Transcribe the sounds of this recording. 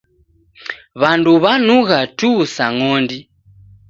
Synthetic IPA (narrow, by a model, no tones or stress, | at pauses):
βanduβanuɣatusaŋɔndi